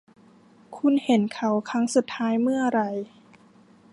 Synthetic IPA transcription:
kʰu˧nhe˩˦nkʰa˨˩wkʰa˦˥ŋsu˨˩t̪ʰːaː˦˥jmɯ˥˩ɐɾa˧˩j

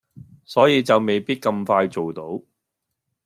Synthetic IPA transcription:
sɔː˨˥jiː˨˧t͡sɐ˨wme˨jpiː˥t̚kɐ˧mfaː˧jt͡so˨wt̪o˨˥w

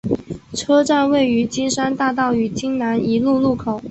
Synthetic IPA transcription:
ʈ͡ʂʰɤ˥ʈ͡ʂa˥˧nwe˥˩ɪy˧˥t͡ɕi˥nʂa˥nt̪a˥˧t̪ɑ˥˩ʊy˨˩t͡ɕi˥ŋna˧˥ni˧˥lu˥˧lu˥˩kʰo˨˩˦ʊ

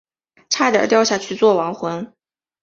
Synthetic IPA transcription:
ʈ͡ʂʰa˥˩t̪jɑ̰˨˩t̪jɑ˥˧ʊɕja˥˧t͡ɕʰy˥˧t͡swɔ˥˩wɑ˧˥ŋxwə˧˥n

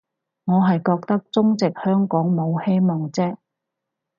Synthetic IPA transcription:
ŋɔː˨˧ɦɐ˨jkɔː˧k̚t̪ɐ˥k̚t͡sʊ˥ŋt͡sɪ˨k̚hœː˥ŋkɔː˨˥ŋmo˨˧whe˥jmɔː˨˩ŋt͡sɛː˥

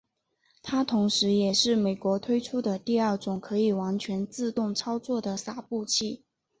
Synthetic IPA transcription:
t̪ʰa˥t̪ʰʊ˧˥ŋʂɻ̩˧˥jɛ˨˩ʂɻ̩˥˩me˨˩ɪkwɔ˧˥t̪ʰwe˥ɪʈ͡ʂʰu˥d̪ə˨t̪i˥˧ɐ˞˥˩ʈ͡ʂʊ˨˩ŋkʰɤ˧˥i˨˩wa˧˥nt͡ɕʰɥɛ˧˥nt͡sɹ̩˥˧t̪ʊ˥˩ŋt͡sʰɑ˥ʊt͡swɔ˥˩d̪ə˩sa˥˩pu˥˧t͡ɕʰi˥˩

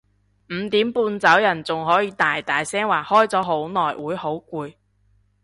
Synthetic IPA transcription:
m̩˨˧t̪iː˨˥mpuː˧nt͡sɐ˨˥wjɐ˨˩nt͡sʊ˨ŋɦɔː˨˥jiː˨˧t̪aː˨jt̪aː˨jsɛː˥ŋwaː˨˩hɔː˥jt͡sɔː˨˥ɦo˨˥wnɔː˨˩jwuː˨˥jho˨˥wkʷuː˧j

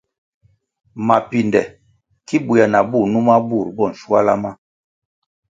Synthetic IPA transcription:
ma˨pi˨ndɛ˨ | ki˦bu˨ja˨na˨bu˦˨nu˦ma˦bu˦˨ɾbɔ˦˨n̩˨ʃu˦a˦la˦ma˦

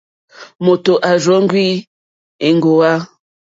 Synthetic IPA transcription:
mo˨to˨ʔa˨ʒɔ˨˦ŋ˦ɡwi˦ | e˨ŋ˦ɡo˨wa˦

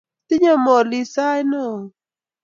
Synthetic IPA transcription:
t̪i˦ɲa˦˨mɔ˨li˧˨sa˦jnɔ˦˨

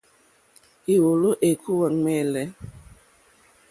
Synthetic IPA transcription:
i˨wo˨lo˦ʔe˨kʰu˦wa˨ŋ˦mɛ˦˨lɛ˦

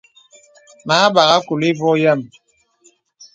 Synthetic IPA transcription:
ma˨˦ɓa˨ɣa˦ku˨li˦vɔ˦jɛ˦˨m

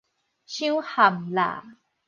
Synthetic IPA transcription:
ɕĩ˦wha˨˩mla̰˨

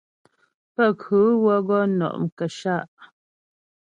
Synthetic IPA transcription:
pə˦˨kʉ˨˦wə˦ɣɔ˦nɔ̰˨ʔŋ̩˨kə˨ʃa˦˨ʔ

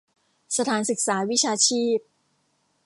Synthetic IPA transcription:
sa˧t̪ʰaː˩˦nsɯ˨˩k̚saː˩˦wi˦˥t͡ɕʰaː˧t͡ɕʰiː˥˩p̚

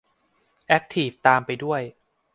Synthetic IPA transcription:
ʔɛ˦˥k̚t̪ʰiː˨˩ft̪aː˧mpa˧jdu˥˩əj

